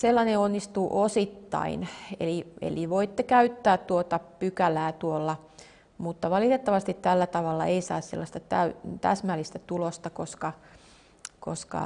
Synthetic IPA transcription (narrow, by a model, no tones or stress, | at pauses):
selːɑneonːist̪uːʔosit̪ːɑ̰inḛliḛliʋoit̪ːekæyt̪ːæːt̪t̪uot̪ɑpykælæːt̪uolːɑ | mut̪ːɑʋɑlit̪et̪ːɑʋɑst̪it̪tælːæt̪ɑʋɑlːɑ̰ʔeisɑ̰ːssḛlːɑst̪ɑt̪æyt̪æ̰smælːist̪æt̪ulost̪ɑkoskɑ | ko̰skɑ̰